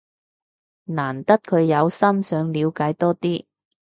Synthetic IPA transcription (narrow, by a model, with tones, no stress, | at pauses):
naː˨˩nt̪ɐ˥t̚kʰɵ˨˧ɥjɐ˨˧wsɐ˥msœː˨˧ŋliː˨˧wkaː˨˥jt̪ɔː˥t̪iː˥